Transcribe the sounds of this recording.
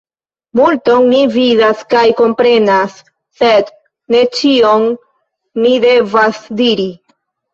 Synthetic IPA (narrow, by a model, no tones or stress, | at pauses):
multo̞ŋnividaskajko̞mpɾe̞nasː | e̞d | ne̞t͡ʃio̞ŋ | nide̞vasdiɾi